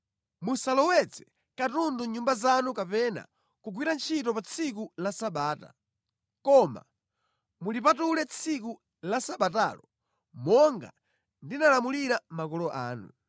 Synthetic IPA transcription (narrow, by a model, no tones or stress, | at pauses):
musalɔwɛt͡sɛ | katunduɲumbazanukapɛna̰ | kuɡwiɾant͡ʃʰitɔpat͡sʰik̬ulasaɓaːta̰ | kɔma̰ | mulipatulɛt͡sʰiku | lasaɓata̰ːlɔ | mɔŋɡa̰ | ndinalamuliɾamakɔlɔʔaːnṵ